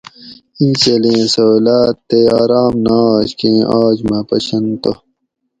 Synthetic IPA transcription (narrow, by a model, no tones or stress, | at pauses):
ĩnt͡ɕelẽːsɐlaːt̪ːeaːɾaːmnaːd͡ʑkẽːʔaːd͡ʑmɐpɐ̰ɕɐnt̪o